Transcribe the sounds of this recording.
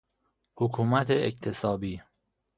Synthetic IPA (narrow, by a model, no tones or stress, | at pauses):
hokʰuːmæt̪ʰeekt̪ʰe̞sɒːbiː